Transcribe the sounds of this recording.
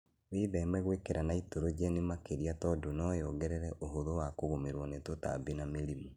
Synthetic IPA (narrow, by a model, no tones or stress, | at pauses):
weðɛmɛɣwekeɾanaitoɾod͡ʒɛnimakeɾiatɔdonɔjɔɡɛɾɛɾɛʔoɦoðowakoɣomeɾwɔnetota̰binameɾimu